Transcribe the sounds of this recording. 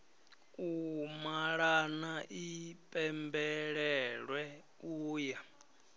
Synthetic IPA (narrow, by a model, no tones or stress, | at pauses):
umaɺanaʔipʼɛmbɛɺɛɺwɛ | uːja